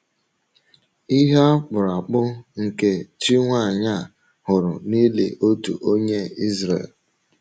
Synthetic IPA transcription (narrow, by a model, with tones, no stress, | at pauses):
i˦ɦa˦k͡pʊ˨ɾa˨k͡pʊ˦ŋ̩˨ke˨t͡ʃi˦ŋʷa˦˨ɲa˦˨ | hʊ˨ɾʊ˨ni˦lḛ˨ʔo˦tṵ˨ʔo˦ɲe˦i˦zɾḛ˨l